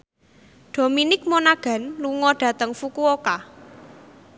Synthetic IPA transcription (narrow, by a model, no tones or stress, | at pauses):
ɖ̪̥o̤minɪk̚monaɡ̥ä̤nluŋɔɖ̥ä̤t̪əŋfukuoka